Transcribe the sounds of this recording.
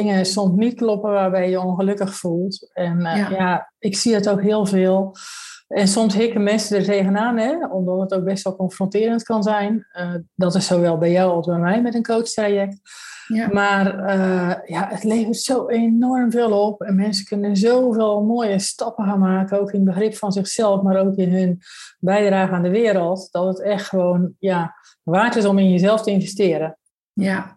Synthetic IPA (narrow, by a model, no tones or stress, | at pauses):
ɪŋəsɔmsnit̚klɔpəʋaːrbɛjjəonxəløkəxfulˠtɛnja | ɪksiətokɦɪəlˠvɪːlˠ | ɛnsɔmsɦɪkəmɛnsədərteːɣənaːnɛɔmdɔtɦətoːk̚bɛstʋɛlˠkɔnfrontɪəɾəntkɑnzɛjnədɔtɪsːoːʋɛlˠbɛjjawɔlˠzbɛjmɛjmɛtənkʰoːt͡ʃtrajɛk̚t | maːrəjaʔətleːvərtsowenɔrmveːlˠopɛnmɛnsəkʰønənzoːveːlˠmoəjəstɔpəxanmaːkənoːwkɪnbəxrɪpfɔnzɪxsɛlˠfmaɾoːkɪnɦønbɛjdraːɣəandəʋɪəɾəlˠtd̥ɔtətɛxtxəʋoːnja | ʋaːtɪsɔmɪnjəzɛlˠftəɪnvɛstɪəɾə